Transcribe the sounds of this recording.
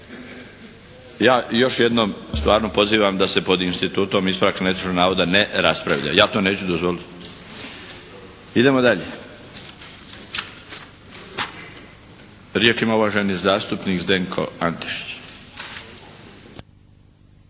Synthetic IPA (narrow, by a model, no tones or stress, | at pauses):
jaːjo̞ʃje̞d̪nomst̪ʋaːɾno̞po̞ziːʋamd̪ase̞po̞d̪inst̪it̪uːt̪o̞mispoɾakanet̪i̥t͡ʃnonaːʋo̞d̪aneɾaspɾa̰ʋʎa̰jaːt̪o̞ːne̞ːt͡ɕud̪ozʋo̞lit̪ | id̪e̞mo̞d̪aʎe | ɾjeːt͡ʃimauʋaʒenizaːst̪upniːkzd̪eŋkʰo̞̰ant̪i̥ʃi̥t͡ɕ